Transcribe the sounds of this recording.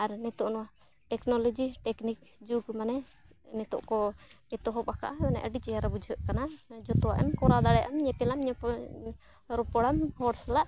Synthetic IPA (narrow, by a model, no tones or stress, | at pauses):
aɾnɛt̪ɔʔnɔwa | ʈɛknɔlɔd͡ʒiʈɛknikd͡ʒuɡmanɛ | nɛt̪ɔ̰ʔkɔɛt̪ɔɦɔpaka̰ʔaɛmanɛ̰ʔəɖit͡ʃɛjaɾabud͡ʒʱəʔkanad͡ʒɔt̪ɔwaʔɛ̰mkɔɾad̪aɽɛʔamɲɛpɛlamɲɛ | ɾɔpɔɽamhɔɽsalaʔ